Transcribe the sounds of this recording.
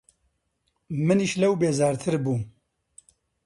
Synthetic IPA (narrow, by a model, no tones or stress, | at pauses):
mɨniʃlɐwbeːzɑːɾt̪ʰɨɾbuː